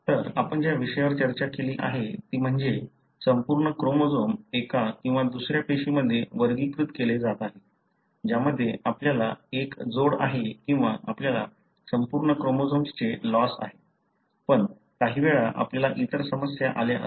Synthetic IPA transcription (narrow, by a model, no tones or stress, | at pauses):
t̪əɾapəɳd͡ʑjaʋiɕəjʋəɾt͡ɕəɾt͡ɕakeliːʔa̰ɦet̪iːm̤əɳd͡ze | səmpuɾɳəkɾomod͡zomekakĩw̃ʋad̪usɾjapeɕiməd̪ʱːjeʋəɾɡiːkɾut̪keled͡zat̪aɦe | d͡ʑjaməd̪ʱːjeʔapljalaekd͡zoɽa̰ɦekĩw̃ʋaʔapljala | səmpuɾɳəkɾomod͡zomst͡selɔsa̰ɦe | pəɳ | kaɦiːʋeɭaʔa̰pljalaʔit̪əɾsəməsjaʔaleʔə̰